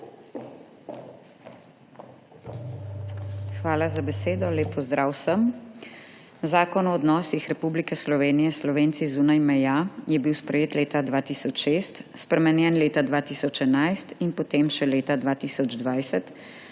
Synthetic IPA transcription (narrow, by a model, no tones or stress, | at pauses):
xʋaːlazabɛseːd̪ɔleːpːɔzd̪ɾaːwsəm | zaːkɔnɔːd̪nɔːsixɾɛpublikɛslɔʋeːnijɛslɔʋeːnt̪sizuːnajmɛjajɛbiwspɾɛjeːt̪leːt̪ad̪ʋaːt̪iːsɔt͡ʃʃeːst̪spɾɛmɛnjɛnleːt̪ad̪ʋaːt̪iːsɔt͡ʃɛnajst̪inpɔt̪eːmʃɛleːt̪ad̪ʋaːt̪iːsɔd͡ʒd̪ʋajsɛt̪